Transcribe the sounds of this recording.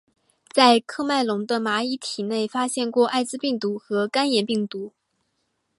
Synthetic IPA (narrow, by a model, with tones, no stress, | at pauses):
t͡sa˥˧ɪkʰɤ˥˧ma˥˩ɪlʊ˧˥ŋd̪ə˧ma˧˥i˧˥t̪ʰi˨˩ne˥˩ɪfa˥ɕjɛ˥˧nkwɔ˥˧ʔa˥˧ɪt͡sɹ̩˥˧pi˥˩ŋt̪u˧˥xɤ˧˥ka˥njɛ˨˥npi˥˩ŋt̪u˧˥